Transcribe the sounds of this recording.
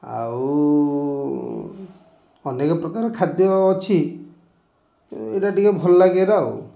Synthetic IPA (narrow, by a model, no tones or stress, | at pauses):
a̰w | ɔnekɔpɾɔkaɾɔkʰad̪jɔːt͡ʃʰi | eʈaʈikabʱɔlːaɡeɾaw